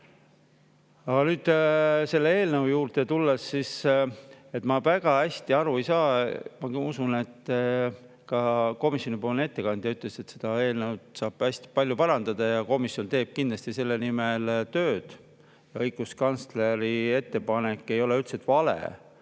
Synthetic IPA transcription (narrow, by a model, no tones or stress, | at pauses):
ɑɡ̥ɑnyːd̪̥se̞lːee̞ːlnəwjuːɾt̪et̪ulːesːis | e̞t̪ˑmɑvæɡ̥ɑæsʲt̪iɑɾuejsɑːmɑusune̞t̪ː | kɑko̞misjo̞nipoːlne̞t̪ːe̞kɑnd̪̥jɑyt̪ːˑle̞se̞t̪se̞d̪̥ɑe̞ːlnəwd̪sɑːb̥æsʲt̪i̥pɑlʲjupɑɾɑnd̪̥ɑd̪̥ɑjɑko̞misjo̞nt̪e̞ːb̥̚kind̪lɑsʲt̪ise̞lːenime̞lt̪ø̞ːd̪̥ | jɑɤjɡ̥uskɑnsle̞ɾie̞t̪ːe̞pɑne̞kːˑe̞jo̞le̞ylt̪set̪ˑvɑlḛ